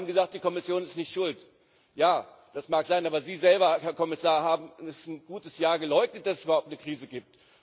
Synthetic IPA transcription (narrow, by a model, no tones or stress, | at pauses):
abm̩ɡəzaːk̚t̚d̥iːkʰɔmɪsjoːnɪstnɪçtʃʊlt | jaː | d̥asmaːkz̥aɪnʔaːbɐziːzɛlbɐhɛːɐkʰɔmɪsaːɐɦaːbm̩ɛsn̩ɡuːtəsjaːɐɡəlɔʏɡ̚nət̚d̥asɛsybɐhʊptnəkʁ̥iːzəɡiːp̚t